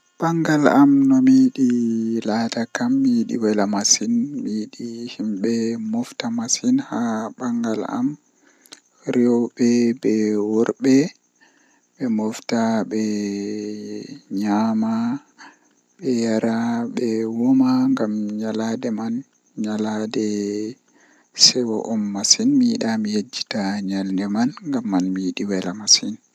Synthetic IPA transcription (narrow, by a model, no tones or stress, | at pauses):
baŋɡalamnɔmiːɗilatakamːiɗḭwɛlamasinmiɗihimɓɛmɔftamasinhabaŋɡala̰m | ɾɔwɓɛbɛwɔɾɓɛ | ɓɛmɔftaɓɛ | ɲama | ɓɛjaɾaɓɛwɔmaŋɡamɲaladɛman | ɲaladɛ | sɛwɔʔɔmːasinmiiɗamijed͡ʒːi̥taɲalndɛmanŋɡamːanmiiɗiwɛlamasin